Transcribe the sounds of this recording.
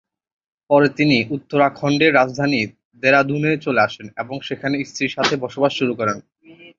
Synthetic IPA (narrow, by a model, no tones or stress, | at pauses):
pɔɾet̪iniut̪ːoɾakʰːɔɳɖeɾːad͡ʑd̪ʱani | d̪eɾad̪ʱunet͡ɕoleaʃeneboŋʃekʰaneist̪ɾiɾʃat̪ʰebɔʃobaʃʃuɾukɔɾen